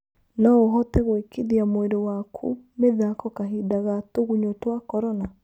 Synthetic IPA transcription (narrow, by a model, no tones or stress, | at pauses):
naoɦɔtɛɣwekeðiamwedowakʰṵmeðakɔkaɦidaɣatoɣuɲotwakɔɾɔna